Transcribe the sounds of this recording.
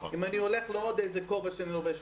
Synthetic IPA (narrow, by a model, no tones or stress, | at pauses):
imanio̞le̞χleod̪ejzekovaʃeaniloveʃ